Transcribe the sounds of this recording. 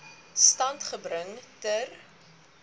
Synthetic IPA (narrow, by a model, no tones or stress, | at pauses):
stɐntχəbɾəŋtər